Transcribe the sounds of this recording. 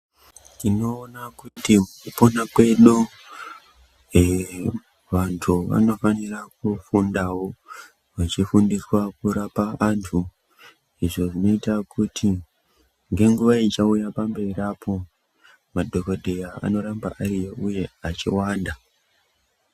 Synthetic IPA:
ino̞ːnakutiukupo̞nakwe̞ɗu | ʋantʰuʋa̰no̞fanirak̚ufundawo̞ | ʋat͡ʃifundiswakuɾapaʔantʰu | iʐo̞ʐino̞itakʰuti | ŋɡe̞ŋɡuʋait͡ʃaujapambe̞irapʰo̞ | madʱo̞ko̞dʱe̞jaa̰no̞ɾamba̰ʔarijoʔuje̞at͡ʃḭwaːnda

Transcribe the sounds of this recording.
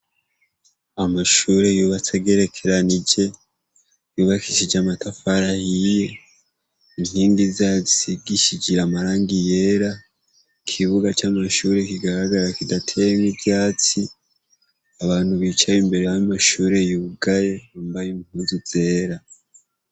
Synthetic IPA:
amaʃuːɾe̞juːβat͡seɡeɾe̞kʰe̞ɾanid͡ʒe̞ | juːβakʰi̥ʃid͡ʒamatafaɾahije | iŋhiːŋɡizazisiɡiʃid͡ʒiɾamaɾaːŋɡije̞ɾa | kʰiβuɡat͡ʃamaʃuːɾe̞kiɡaɾaɡaɾakidatʰejemibjaːt͡si | aβaːn̥huβiːt͡ʃajimbe̞ɾejamaʃuːɾe̞juːɡaje̞βambajimhuːnziz̥e̞ːɾa

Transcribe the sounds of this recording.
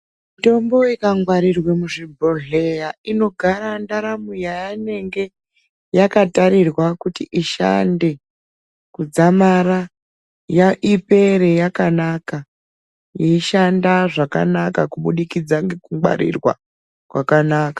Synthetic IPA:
mito̞mbo̞ikaŋɡwaɾirwe̞muʐibʱo̞ɮe̞jaino̞ɡʱaɾandaɾamujajane̞ŋɡe̞ | jakataɾirwakutiʔiʃa̰nde̞ | kud͡zamaɾa | jaʔipe̞ɾejakanaka | jeiʃandaʐaka̰nakakuɓuɗikid͡zaŋɡe̞kuŋwa̰ɾḭrwa̰ | kwakanaːkḁ

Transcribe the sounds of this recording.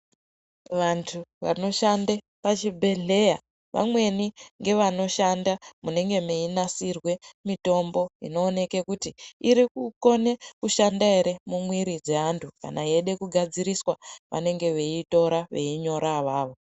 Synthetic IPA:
ʋantʰuʋa̰no̞ʃande | pat͡ʃibʱe̞ɮe̞ja | ʋʔa̰mwe̞niŋɡe̞ʋano̞ʃandamune̞ŋɡe̞meinasirwe̞mito̞mbo̞ḭno̞ːne̞kekutiiɾikuko̞nekuʃandae̞ɾe̞mumwiɾid͡ze̞antʰuka̰naieɗe̞kuɡʱad͡ziɾiswaʋʔa̰ne̞ŋɡe̞ʋe̞ito̞ɾaʋe̞̰iɲo̞ɾaʋaːʋo̞

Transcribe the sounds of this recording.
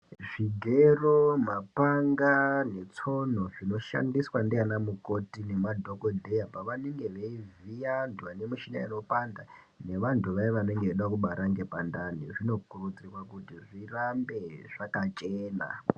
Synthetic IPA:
ʐiɡʱeromapaŋɡane̞t͡so̞n̤o̞ʐino̞ʃa̰ndiswandeanamuko̞tine̞madʱokodʱe̞japaʋaneŋɡe̞ʋeivijantʰuanemuʃinaino̞panda | ne̞ʋantʰuʋaiʋaneŋɡeeɗakuɓaɾaŋɡe̞pandaniʐino̞kurud͡zirwakutiʐirambe̞ʐakat͡ʃeːna̰

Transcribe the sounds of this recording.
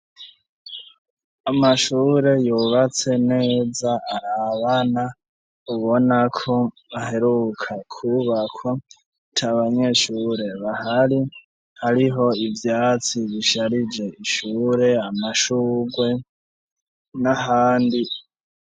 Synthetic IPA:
amaʃuːɾe̞juβat͡se̞ne̞ːzaʔːβana | uβo̞nakʰo̞ | βaɦe̞ɾukʰakʰuβakʰo̞ | tʰaβaɲe̞ʃuɾe̞βahaɾi | haɾiɦo̞ivjaːt͡siβiʃaɾid͡ʒe̞iʃuːɾe̞amaʃuːɡwe̞ | naɦaːndi

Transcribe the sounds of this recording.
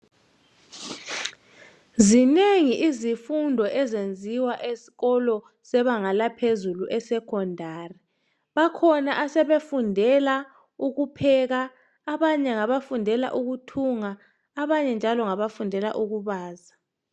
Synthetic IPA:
zineŋiʔizifundʱɔʔɛzend͡zʱiwaʔesi̥ɣɔlɔ | sɛβaŋalapʰezuluʔɛsɛkʰɔndʱaːri | βakʰɔnaʔasɛβefundʱɛla | uɣupʰɛɣaː | βaɲɛŋaβafundʱɛla̰ʔuɣutʰuŋaː | βaɲɛnd͡ʒʱalɔŋaβafundʱɛla̰ʔuɣuβaːza

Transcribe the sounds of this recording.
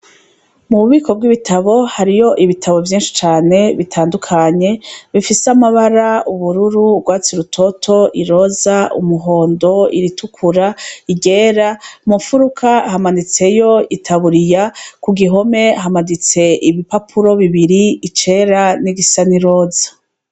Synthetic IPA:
muβuβiːko̞b̚ɡwiβitʰaβo̞haɾijo̞ʔiβitʰaβo̞vjiːnʃi̥t͡ʃaːne̞βitʰaːndukʰaɲe̞βifisamaβaɾauβuɾuɾubɡwaːt͡siɾutʰo̞tʰo̞ʔiɾo̞zaṵmuɦo̞ːndo̞ḭɾitukʰuɾaiɡe̞ːɾamufuɾukʰahamanit͡se̞jo̞itʰaβuɾijakuɡiɦo̞me̞ɦamadit͡se̞ʔiβipapʰuɾo̞βiβiɾiːt͡ʃe̞ːɾaniɡisaniɾo̞ːzḁ

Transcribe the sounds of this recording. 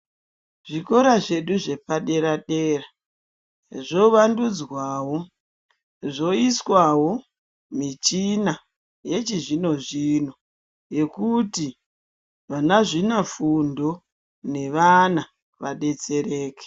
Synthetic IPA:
ʐ̥iko̞ɾaʐe̞ɗuʐe̞paɗe̞ɾaɗe̞ːra | ʐo̞ʋandud͡zwawo̞ | ʐo̞iswawo̞ | mit͡ʃina | je̞t͡ʃiʐino̞ʐino̞ | je̞kuti | ʋanaʐinafundo̞ | ne̞ʋana | ʋaɗe̞t͡se̞re̞ːke̥

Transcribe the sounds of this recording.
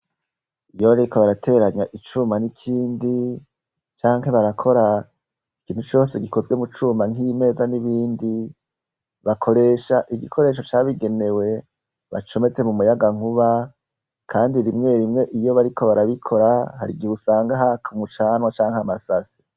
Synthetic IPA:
ijo̞βaɾekʰoβaɾatʰe̞ːɾaɲaʔit͡ʃumanikʰiːndi | t͡ʃaːŋ̥he̞βaɾakʰo̞ɾa | ikiːn̥hut͡ʃo̞ːse̞ɡiko̞zwe̞mut͡ʃumaŋime̞ːzaniβiːndi | βakʰo̞ɾe̞ːʃaʔiɡikʰo̞ɾe̞ːʃo̞t͡ʃaːβiɡe̞ne̞we̞ | βa̰t͡ʃo̞me̞t͡se̞mumujaɡaŋ̥uβa | kʰaːndiɾimŋe̞ɾimŋe̞ʔijo̞βaɾikʰo̞βaɾaβikʰo̞ɾahaɾḭɡiusaːŋɡaɦakʰumut͡ʃaːnwat͡ʃaːŋhamasasi̥

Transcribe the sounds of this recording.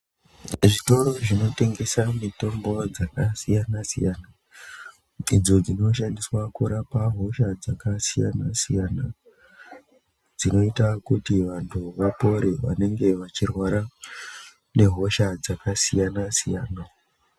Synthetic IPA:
ʐito̞ro̞ʐino̞te̞ŋɡe̞samito̞mbo̞d͡zakasijanasḭjana | id͡zo̞d͡zino̞ʃandiswakuɾapaɦo̞ʃad͡zakasija̰na̰sijana | d͡zino̞itakutiʋantʰuʋapo̞ɾeʋa̰ne̞ŋɡe̞ʋat͡ʃirwaɾa | ne̞ɦo̞ʃad͡zakasijanasijaːna

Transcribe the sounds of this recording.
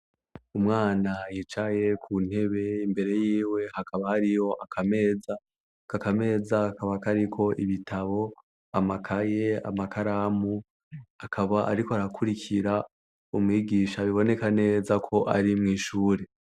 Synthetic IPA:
umŋaːnajit͡ʃaje̞kʰuːn̥he̞βe̞imbe̞ɾe̞jiːwe̞hakʰaβahaɾijo̞ʔakʰame̞ːza | kakame̞ːzakaβakaɾikʰo̞ʔiβitʰaβo̞ | amakʰaje̞a̰makaɾaːmu | akʰaβaʔa̰ɾikoaɾakʰuɾikʰiɾa | umŋiːɡiːʃaβiβo̞ne̞kane̞ːzakʰo̞ʔaɾimŋiːʃuːɾe̞

